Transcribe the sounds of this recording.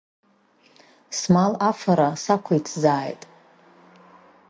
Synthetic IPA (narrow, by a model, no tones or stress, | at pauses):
smalafaɾasakʷʰait͡sʰzaːjtʼ